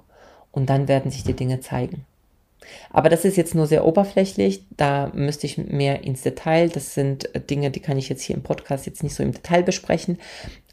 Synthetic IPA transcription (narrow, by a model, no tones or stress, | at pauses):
ʔʊnt̚d̥anveːɐdn̩zɪçd̥iːdɪŋət͡sa̰ɪɡŋ̩ | ʔa̰ːbɐɾasɪstjɛt͡stnuːɐzeːɐʔoːbɐflɛçlɪçd̥aːmʏstəɪçmeːɐʔɪnsd̥etʰaɪld̥asz̥ɪntd̥ɪŋədiːkʰanɪçjɛt͡sthiːɐɪmpʰɔtkʰaːstjɛt͡stnɪçtz̥oːɪ̰mdetʰaɪlbəʃpʁ̥ɛ̰çn̩